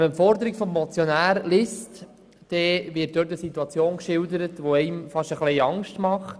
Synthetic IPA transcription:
mɛmfɔɾd̪əɾikfɔmːɔt͡sjonæːɾlest | d̪̥ɛʋɪt̚d̥̪øːɾtəsitːuɑt͡sjoːnkʃɪldəɾətʋoɛɪmfɑʃəχlɛɪɑŋʃtmɑχt

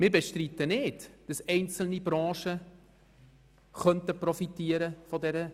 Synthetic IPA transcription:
mɪːɾbɛʃtɾit̪ənɪtd̥ɑsɛɪnt͡sl̩nibɾɑ̃ːʃə | χœntəprɔfitiəɾəfɔdɛɾə

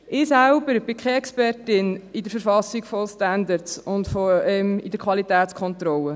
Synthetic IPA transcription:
ʔɪːsælbəɾb̥ɪkχeɛkspɛrtɪnidəɾfəɾfɑsiɡfɔstænd̪əɾtsʊntfɔɛmid̥əɾkʰwɑlitæːt͡skʰχɔnt̪ɾɔlːə

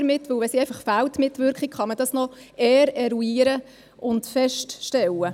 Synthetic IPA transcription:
ɾmɪtːʋɵwʋɛsiɛɪfɑχfæltmɪtːʋʏɾkχikχɑməd̥ɑsnɔ | ɛːɾɛɾuiːɾə | ʔʊntfɛʃtʃtɛlːə

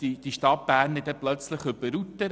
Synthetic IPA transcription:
id̥iʃtɑt̚b̥æːɾnɪdɛplœt͡sləχʏbəɾut̪ːəɾ

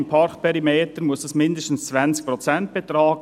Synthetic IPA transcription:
npʰɑɾkpʰɛɾimeːt̪əɾmʊsəsmɪndəʃtn̩st͡sʋænt͡sk̚pɾɔt͡sɛnt̚b̥et̪ɾɑːɡ

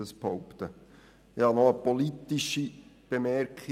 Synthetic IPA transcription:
əsphoʊpt̪ə | hɑnɔəpolit̪iʃib̥emɛɾkχ

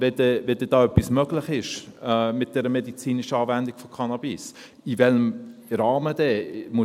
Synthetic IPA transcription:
vɛdɛvɛd̥ɛd̥ɑːœpːismøɡlɪχɪʃmɪt̚d̥ɛɾəmedit͡siːniʃəɑːvændiɡ̥fokʰɑnɑbis | ivɛləmɾɑːmədɛmu

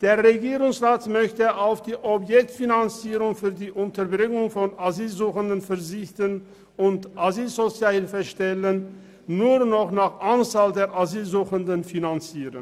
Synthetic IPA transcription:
d̥eːɐʁeɡiːʁʊŋsʁaːtmœçtəʔaʊfd̥iːʔɔpjɛk̚tfinant͡siːʁʊŋfyːɐdiːʔʊntɐbʁɪŋʊŋfɔnaziːlzuːxəndənfɛɐzɪçtən | ʊntʔaziːlzot͡sjaːhɪlfəʃtɛlənː | uːʁnɔχnaːχʔant͡saːldeːɐʔaziːlzuːxəndənfinant͡siːʁə̰n

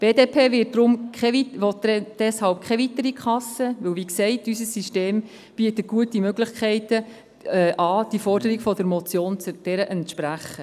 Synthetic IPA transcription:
b̥eːdeːpʰeːʋɪːt̚dɾʊmkɛiʋɔtd̥ɛshɑlp̚kʰχɛʋitəɾikχɑsəʋɵwʋiːksɛɪtysəsːiʃteːm | b̥iətət̚ɡ̥uətimøɡlɪχkʰɛɪtə | ʔɑːd̥ifɔrd̥əɾiɡfɔdəɾmɔt͡sjoːnt͡sd̥ɛɾəʔɛntʃpɾæχə

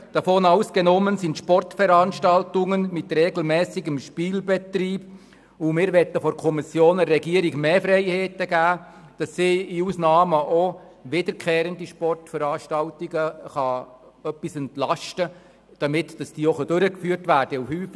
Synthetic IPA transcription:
d̥ɑfoːnɑwsɡ̥ɛnɔmənsintʃpɔrtfəɾɑnʃtɑltʊŋənmɪt̪ɾɛɡl̩mɛːsiɡəmʃpiːlbɛt̪ɾiːb̥ | ʊmɪːɾʋɛtːəfɔɾkʰɔmisjoːnərːɛɡiəɾiɡmeːfɾɛɪheːtəɡæː | d̥ɑsːiːiuːsnɑːməʔo | ʋɪdəɾkχeːɾəndiʃpɔrtfəɾɑːʃtɑltiɡəχɑ | œpːisɛntlɑʃtə | d̥ɑmɪtd̥ɑsd̥iːɔχəd̥øɾəkfyːrtʋæːɾd̥əufhyːf

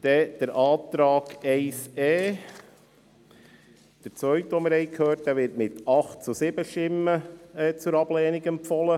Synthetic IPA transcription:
d̪̥ɛd̥əɾʔɑːt̪ɾɑːɡ̥ɛɪsɛː | d̥əɾt͡sʋœɥtʋɔmɪɾhɛɪkʰhøːɾt̚d̥̪æʋɪɾtmɪtɑχtt͡susɪbəʃtɪmːəɛt͡sʊɾɑb̥lɛːniɡɛmpfɔlə

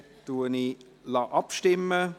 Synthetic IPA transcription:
d̥uəni | lɑʔɑpʃtɪmə

